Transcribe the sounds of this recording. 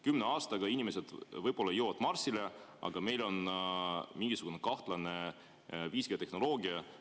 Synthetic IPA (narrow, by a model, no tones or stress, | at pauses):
kymneɑːst̪ɑɡ̥ɑinʲime̞s̬ed̪̥vɤjb̥o̞lːɑjoːvɑd̪̥mɑrsile̞ɑ̰ɡ̥ɑme̞jlo̞n | miŋɡ̥isuɡ̥unekɑht̪lɑne̞ | viːsɡ̥iɑt̪e̞hno̞lo̞ːɡ̥iɑ